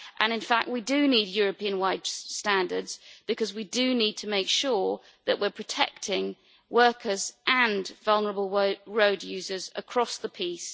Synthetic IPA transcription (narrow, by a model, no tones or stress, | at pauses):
ʔə̃ñɨ̃nfak̚t̚widɨniːdjɔːɹəpĩə̃nwaɪdstæ̃ndə̰dz̥b̥ɨkʰʌzwidɨnid̚tʰəmeɪkʃɔɹ | ðəʔwɪəpʰɹ̥ətʰɛ̰k̚tʰɪ̃ŋ | wɜˑkʰəzʔə̃nvʌlˠnəɹəbəlˠɹəʊdjʉːzəzə̰kʰɹ̥ɒsðəpʰiˑs